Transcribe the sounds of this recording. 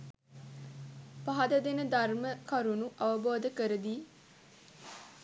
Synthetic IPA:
pɐɦɐd̪əd̪enəd̪ʱɐrməkɐɾunuʔɐʋəboːd̪əkəɾəd̪iː

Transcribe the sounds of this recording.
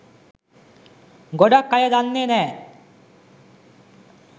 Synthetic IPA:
ɡoɖakːajad̪anːeːnɛː

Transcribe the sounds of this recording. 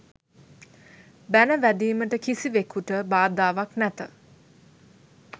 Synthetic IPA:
bænəʋæd̪iːməʈəkisiʋekuʈəbaːd̪aːʋaknæt̪ə

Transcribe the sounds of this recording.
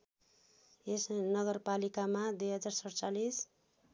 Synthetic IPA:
esnʌɡʌrpalikamad̪ujɦʌd͡zarsʌɽt͡salis

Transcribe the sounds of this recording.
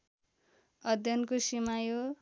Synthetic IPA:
ʌd̪ʱjʌnkosimajo

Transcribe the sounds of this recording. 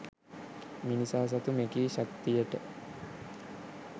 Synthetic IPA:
minisaːs̬at̪umekiːɕak̚t̪ijəʈə

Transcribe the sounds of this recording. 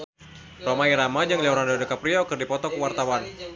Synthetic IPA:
romaiɾamad͡ʒɨŋliawɾandadəkapɾiakərdipɔt̪ɔkəwart̪awan

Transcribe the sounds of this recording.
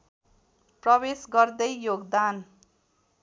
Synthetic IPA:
prʌbesɡʌrd̪ʌjjoɡd̪an

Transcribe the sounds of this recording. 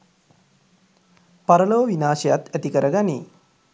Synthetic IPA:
paɾəloːʋinaːʃɐjat̪æt̪ikəɾəɡanḭː

